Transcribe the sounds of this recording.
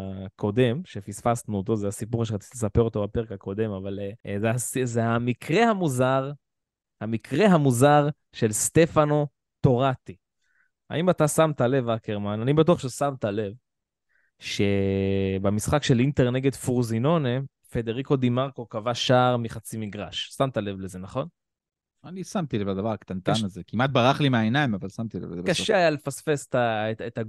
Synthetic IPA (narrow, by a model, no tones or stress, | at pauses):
ko̞de̞mʃefisfasnuot̪o̞zeasipuʁʃeʁat͡si̥t̪lesape̞ʁo̞t̪o̞bape̞ʁekako̞d̪e̞mavalzeaszeamikʰʁehamuzaʁ | hamikʰʁe̞ɦamuzaʁ | ʃe̞lst̪e̞fano̞ | to̞ʁat̪i | a̰imatasamt̪ale̞vakeʁmananibatuaχʃesamt̪ale̞v | ʃe̞bemisχakʃe̞lint̪e̞ʁne̞ɡe̞d̪fuʁzino̞ne | fe̞d̪eʁiko̞d̪imaʁkokavaʃaʁmiχat͡simiɡʁaʃsamt̪ale̞vleze̞naχo̞n | anisamt̪ilevad̪avaʁakt̪ant̪anazekimat̪̚baʁaχlimeaenaimavalsamt̪ilḛvakaʃeajalefasfesetaet̪a